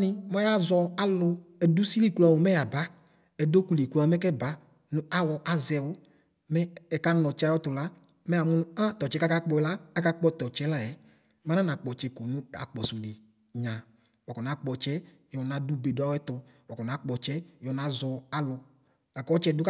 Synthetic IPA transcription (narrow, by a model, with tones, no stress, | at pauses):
nɪ˦mɔ˦a˦zɔ˨a˦lʊ˧ɛ˨du˦si˦li˦˨kla˨wʊ˨mɛ˦ja˨ba˦ | ɛ˨do˦ku˨le˨klu˦a˨mɛ˦kɛ˦ba˨˦ | nʊ̃˦a˦wɔ˨ʔa˨zɛ˨wʊ˦ | mɛ˦ɛ˨ka˦nɔ˨t͡ʃɛ˦a˦jɔ˦tʊ˨la˦ | mɛ˦a˨mʊ̃˦nʊ˦ã˦t̪ɔ˨t͡ʃɛ˨˦ka˦ka˦k͡pɔ˧ɛ˨la˦a˦ka˦k͡pɔ˦t̪ɔ˨t͡ʃɛ˦la˦jɛ˨ | mã˨˦na˦na˨k͡pɔ˨t͡ʃɛ˨ko˨nʊ̃˦a̰˨k͡pɔ˨su˨le˨ | ɲã˨ | wɔ˨kɔ˨na˨˦k͡pɔ˨t͡ʃɛ˦ | jɔ˨na˨˦du˦be˨dʊ˦a˦wɛ˦t̪ʊ˨wɔ˨kɔ˨na˨˦k͡pɔ˨t͡ʃɛ˦jɔ˨na˨˦zɔ˨a˨lʊ˧ | a˨kɔ˦t͡ʃɛ˦˨dʊ˦k